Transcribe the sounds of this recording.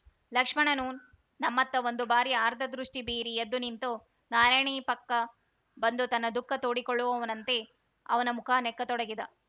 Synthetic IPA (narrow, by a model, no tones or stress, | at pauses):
lɐkʂmɐɳɐnuːn | nɐmːɐt̪ːɐʋo̞nd̪ubaːɾiaːɾd̪ʱɐd̪ɾuʂʈibiːɾiɐd̪ːunint̪u | naːɾajɳiːpɐkːɐ | bɐnd̪ut̪ɐnːɐd̪ukːɐt̪oːɽikoɭːuʋɐʋɐnɐnt̪e̞ | ɐ̰ʋɐnɐmukʰaːnɛkːɐt̪ɔɽɐɡid̪ɐ